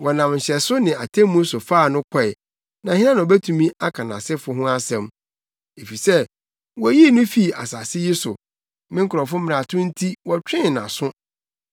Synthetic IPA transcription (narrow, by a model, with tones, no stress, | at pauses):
wɔ˨nã˨m˨ɕɛ˨sʊ˦nɪ̃˨a˨tʰẽ˦mũ˦sʊ˨faː˦˨nʊ̃˦kʰɔ˦ɛ˨ | nã˨hɪ˦ã˦ñ˨bæ˦tʰũ˨mĩ˦ʔa˦kʰã˨nã̰˨sɪ˦fʊ˨˦ɦʊ̃˦a˦sɛ̃˨m | e˨fi˨sɛ˦ | wɔ˨æ˨ji˦˨nʊ̃˦fi˦˨a̰˨sa˨sɪ˦ji˦sʊ̰˨ | mɪ̃˦ŋ˦kʰʊ˨ɾɔ˨fʊ˦mɪ̃˨a˨tʰʊ̃˦n̩˦tʰi˦wɔ˨t͡ɕᶣɪ̃˦˨nã̰˨sʊ̃˦